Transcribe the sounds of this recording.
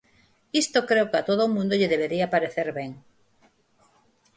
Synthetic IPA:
ist̪okɾewkat̪oðoːmũnd̪oʎɪðeβeɾiapaɾeθeɾβeŋ

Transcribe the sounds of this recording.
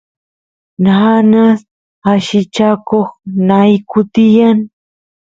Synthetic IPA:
nanas | aʃɪt͡ʃakoχnajkʊt̪ɪjaŋ

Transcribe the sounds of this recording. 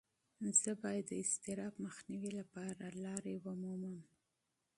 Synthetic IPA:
z̥əbɑjad̪ːəɪst̪ɪɾɑbməxniwilapɑɾalɑɾewəmuməm

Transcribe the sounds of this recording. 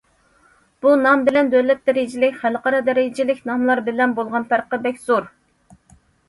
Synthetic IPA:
b̥unɑmbɪlɛnd̪ølɛt̪̚d̪ɛɾɪd͡ʒɪlɪkʲχælqɑɾɑd̪ɛɾɪd͡ʒɪlɪkʲnɑmlˠɑɾbɪlɛnbolˠʁɑnt̪ʰæɾqəbɛkʲz̥oɾ

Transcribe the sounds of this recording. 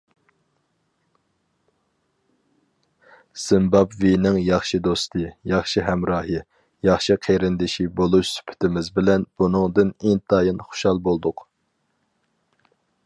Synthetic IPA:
z̥ɨmbɑpvinɪŋjɑχʃid̪ost̪ʰɨjɑχʃiɦɛmɾɑːɦɨ | jɑχʃiqʰeɾɪnd̪ɪʃibolˠuʃsy̥pʰɪ̥t̪ʰɪmɪzbɪlɛnb̥unɨŋd̪ɨnint̪ʰɑːjinχʊ̥ʃɑlˠbolˠd̪ʊq

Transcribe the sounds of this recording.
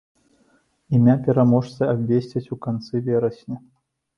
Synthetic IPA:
imʲapʲɛɾamɔʂt̪sɐabʲvʲesʲt͡sʲɛt͡sʲukant̪sɨvʲɛɾɐsʲnʲi

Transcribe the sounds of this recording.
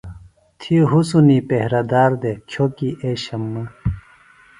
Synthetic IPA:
t̪ʰiɦusunipehɾɐd̪aːɾd̪ekʰjokiʔeɕɐmːɐ

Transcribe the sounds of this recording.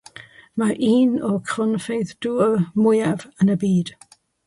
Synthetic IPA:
maʔiːnɔkʰrɔnfejðd̥uːəmʊjavənəbiːd̥

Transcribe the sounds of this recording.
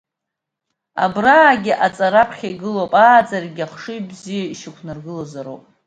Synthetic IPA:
a̰braːɡʲɪʔat͡sʼaɾapʰχʲajɡɨlopʼaːd͡zarɡʲaχʂɨjbzijaiʃɪkʷʰnarɡɨlozaɾowpʼ

